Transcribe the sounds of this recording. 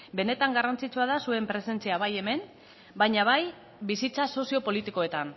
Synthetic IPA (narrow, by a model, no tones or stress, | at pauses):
be̞ne̞t̪aŋɡarant͡sit͡suaðasue̞mpɾe̞se̞nt͡siaβaje̞me̞m | baɲaβaj | bisit͡saso̞sio̞po̞lit̪iko̞e̞t̪an